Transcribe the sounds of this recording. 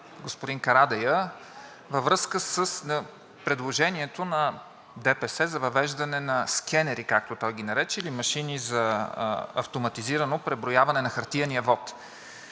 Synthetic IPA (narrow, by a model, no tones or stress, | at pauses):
ɡospod̪inkɐɾad̪ɛjə | vəvɾɤskəsəsnɐ | pɾɛd̪lˠoʒɛniɛt̪onɐ | d̪ɛpɛsɛzɐvɐvɛʒd̪ɐnɛnɐskʰɛnɛɾikak̚t̪ot̪ɔjɡʲinɐɾɛt͡ʃɛilimɐʃinizɐ | ɐ̰ft̪omɐt̪iziɾənopɾɛbɾojavɐnɛnɐxɐɾt̪iɐniəvɔt̪